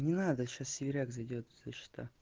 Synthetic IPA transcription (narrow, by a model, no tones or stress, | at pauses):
nʲɪnad̪əɕassʲɪvʲɪɾʲaɡzɐjdʲot̪zat͡ɕɪ̥t̪a̰